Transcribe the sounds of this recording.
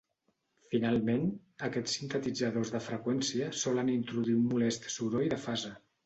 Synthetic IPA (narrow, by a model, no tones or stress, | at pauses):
finalˠmenəkɛt͡sːint̪ət̪id͡zəðozðəfɾəkwɛnsiəsɔlənint̪ɾuðiunmulɛst̪suɾoiðəfazə